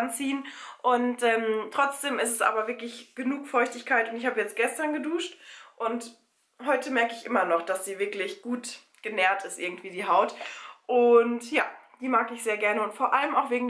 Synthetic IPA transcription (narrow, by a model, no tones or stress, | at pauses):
nt͡siːənʔʊntʔɛːmtʁ̥ɔt͡sd̥eːmɪstɛsʔa̰ːbɐvɪɐklɪçɡ̥ənuːkfɔʏçtɪçkʰaɪtʊntɪçhaːbəjɛt͡st̚ɡ̥ɛstɐnɡəduːʃtʔʊnt | ɦɔʏtəmɛɐkəɪçʔɪmɐnɔχd̥asz̥iːvɪɐklɪçɡ̥uːt | ɡ̥ənɛɐtɪstʔɪɐɡŋ̩tv̥iːdiːɦaʊtʔʊntjaːd̥iːmaːkɪçz̥eːɐɡɛɐnəʊntfoːɐʔaləmaʊxv̥eːɡŋ